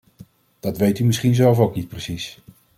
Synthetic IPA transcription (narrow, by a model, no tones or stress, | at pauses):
d̥ɑtʋejtymɪsχinzɛlˠvowknit̚prəsis